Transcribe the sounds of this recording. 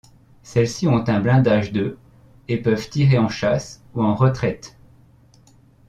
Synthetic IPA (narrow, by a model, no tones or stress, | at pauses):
sɛlsiɔ̃t̪ɛ̃blɛ̃d̪aʒd̪ø | epœvt̪iʁeɑ̃ʃas | uɑ̃ʁət̪χɛt̪